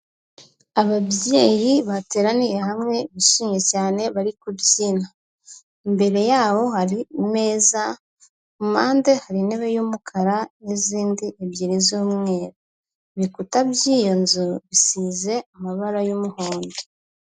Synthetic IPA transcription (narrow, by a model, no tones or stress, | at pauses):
aβabjeːɾiβate̞ːɾanije̞ɦamŋe̞βiʃiːɲe̞caːne̞βaɾikubjiːna | imbe̞ɾe̞jaːβo̞haɾime̞ːza | umaːnde̞haɾine̞βe̞juːmukʰaɾaniziːndiʔebjeːɾizoːmŋe̞ːɾa | βikutabjiːjo̞nzuβisize̞amaβaɾajumuhoːnde